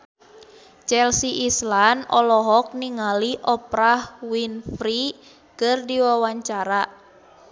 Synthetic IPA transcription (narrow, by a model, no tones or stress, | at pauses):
t͡ʃɛlsiʔislanɔlɔɦɔk̚niŋaliʔɔpɾahwinfɾi | kərdiwawaɲt͡ʃaɾa